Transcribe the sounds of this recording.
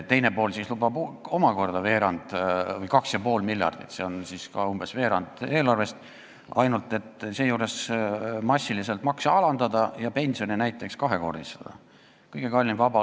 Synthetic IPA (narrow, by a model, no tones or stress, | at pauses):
t̪ːe̞jnepo̞ːlsislubɑbo̞mɑko̞rd̪̥ɑve̞ːɾɑnd̪̥vɤjkɑksjɑpo̞ːlmilʲjɑ̰rd̪̥it̪se̞o̞nsiskɑumbe̞sve̞ːɾɑnd̪̥e̞ːlɑrve̞st̪ | ɑ̰jnult̪ːˑe̞t̪se̞ːjuːɾe̞smɑsʲːilise̞lt̪mɑksɑɑlɑnd̪̥ɑd̪ɑjɑpe̞nʲsio̞ninæjt̪ːˑe̞kskɑɦe̞ko̞̰rd̪ist̪ɑd̪̥ɑ̰ | kɤjɡ̥e̞kɑlʲːinvɑbɑ